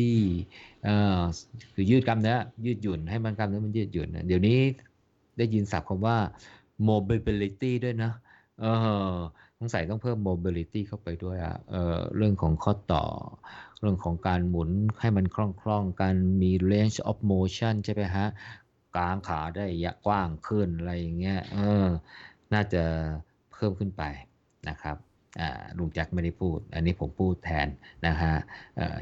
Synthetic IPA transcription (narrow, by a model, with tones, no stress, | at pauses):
t̪ʰiː˥˩ʔɤː˧˩kʰɯː˧jɯː˥˩t̪̚ka˧mna˨˦˥a˨˩jɯː˥˩t̪̚ju˨˩nha˥˩jma˧nka˧mna˦˥jma˧njɯː˥˩t̪̚ju˨˩nʔa̰˧˩di˩˦wniː˦˥ | daː˥˩ji˧nsa˨˦p̚kʰa˧mwaː˥˩ | moː˧bi˧bi˧li˧˥t̪iː˥˩du˥˩əjnɔ˦˥ | ʔɤː˧˩ | kʰɔ˧˥ŋsa˨˦jt̪ɔ˥˩ŋpʰɤː˥˩mːoː˧bi˧li˧t̪iː˥˩kʰa˥˩wpa˧jdu˥˩əjʔa̰˨˩ʔʔɤ̰ː˧˩ɾɯ˥˩əŋkʰɔː˩˦ŋkʰɔː˥˩t̪ːɔ̰ː˨˩ɾɯ˥˩əŋkʰɔː˩˦ŋkaː˧nmu˩˦nha˥˩jma˧nkʰɾɔ˥˩ŋkʰlɔ˥˩ŋkaː˧nmiː˧le˦˥nt͡ɕʔɔ˦˥p̚moː˧t͡ɕʰa˥˩nt͡ɕʰa˥˩ma˦˥˩jkʰa˦˥ʔ | kaː˨˧ŋkʰaː˩˦daː˥˩jːa˦˥kwaː˥˩ŋkʰɯ˥˩nʔa˧ɾa˧jːa˨˩ŋːi˦˥ɐʔɤː˧˩ | naː˥˩t͡ɕa˨˩ | pʰɤː˥˩mkʰɯ˥˩npa˧j | na˦˥kʰɾa˦˥p̚ | ʔa̰ː˨˩ɾu˩˦mt͡ɕa˦˥k̚ma˥˩jda˥˩jpʰuː˥˩t̪̚ʔa̰˧nːiː˦˥˩pʰo˩˦mpʰuː˥˩t̪ʰːɛ̰ː˧nna˦˥kʰa˦˥ʔʔɤ̰ː˨˩